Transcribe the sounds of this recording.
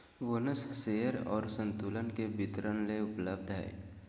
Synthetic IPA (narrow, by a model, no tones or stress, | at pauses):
ʋonəsseːəɾɔ̰ːɾsə̃nt̪uːlənkebɪt̪ɾənleʊpləb̚d̪ʱɦɛ̰ː